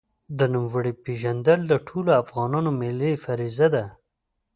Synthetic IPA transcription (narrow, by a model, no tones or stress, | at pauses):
d̪ənumwəɽipeʒand̪əld̪əʈʰoloafɣɑnɑnomelefaɾizad̪a